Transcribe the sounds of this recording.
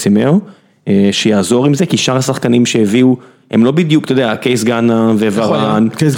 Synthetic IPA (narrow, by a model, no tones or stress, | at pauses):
simeo | eʃejaːzo̞ʁimzekiʃaʁhasaχkanimʃeeviu | he̞mlo̞bid̪jukt̪od̪eakejs̬ɡanavevaʁan